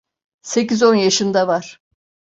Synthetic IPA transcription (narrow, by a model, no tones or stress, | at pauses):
se̞cizo̞njaʃɯnd̪avaɾ̥